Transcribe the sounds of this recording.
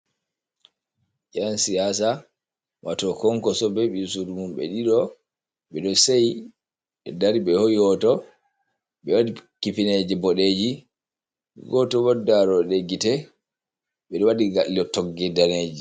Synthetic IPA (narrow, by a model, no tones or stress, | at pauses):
d͡ʒansijasa | wʔatɔkɔŋkɔsɔbɛɓiusudumumɓɛ̰ɗiɗɔ | ɓɛɗɔsaj | ɛ̰daɾiɓɛhojihɔtɔ | ɓɛwadikifined͡ʒibɔɗed͡ʒḭ | ɡɔtɔwɔdːaɾɔɗeɡitɛ | ɓɛɗɔwadiɡaliɔtɔɡɛdaned͡ʒi